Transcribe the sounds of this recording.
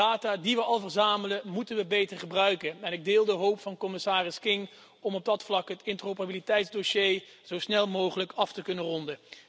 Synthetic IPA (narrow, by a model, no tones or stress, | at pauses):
aːtaːdiʋəɑlˠvərzaːmələmutənʋəbejtəɹχəbrœɥkənɛnɪɡ̚dɪːlˠdəɦowpfɑnkɔmɪsaːrɪskɪŋ | ɔmɔb̚dɑtflɑkɦətɪntərowpərabilitɛjtzdoʃejz̥owsnɛlˠmowχələkɑftəkɵnənrɔndə